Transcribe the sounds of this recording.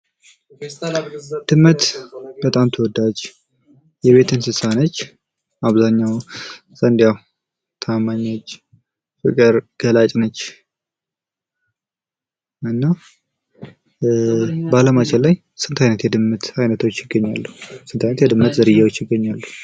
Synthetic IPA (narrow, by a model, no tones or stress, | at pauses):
d̪̥ɨmːət̪bət̪ʼamt̪ʰəwɔd̪ad͡ʒ | jɛβe̞t̪ʰɨnsɨsanət͡ʃː | aβzaɲːaw | zʼənd̪jaw | t̪ʰamaɲːat͡ʃː | fɨ̰kʼɨɾɡ̥əlat͡ʃʼnət͡ʃː | ɨnːa | baləmat͡ʃʰɛlːaj | sɨnt̪ʰajnət̪jɛd̪ɨmːət̪ajnət̪ʰo̞t͡ʃːjɪɡːəɲːalːuhsɨnt̪ʰajnət̪jɛd̪ɨmːət̪zəɾɨjːawot͡ʃːjɪɡːəɲːalːuh